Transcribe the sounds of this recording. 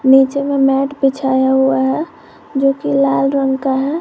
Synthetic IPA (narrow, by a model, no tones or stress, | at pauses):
niːt͡ʃememɛːʈbɪt͡ʃʰaːjaɦuaɦɛ | d͡ʒoːkilaːlɾəŋɡkaɦɛ